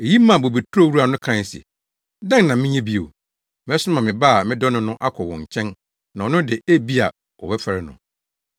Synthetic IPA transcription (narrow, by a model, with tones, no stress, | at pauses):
e˨ji˦mã˨bo˨be˨tʰu˦o˦˨wu˦a˨nʊ̃˦kʰɾã˦˨sḭ˨ | dã˦n˨nã˨mɪ̃˦ɲɛ̃˦bi˦o˨ | mɪ̃˨˦ɛ˦sʊ˦mã˨mɪ̃˨ba˦a˨mɪ̃˦dɔ˦nʊ̃˦nʊ̃˦ʔa˦kʷʰɔ˨wɔ̰̃˨ɲ˨t͡ɕʰɛ̃˦n | nã˨ɔ˨nʊ̃˦dɪ˨e˦bi˦a̰˨ | ɔ̰˨wɛ˦fɛ˨ɾɪ˦nʊ̰̃˨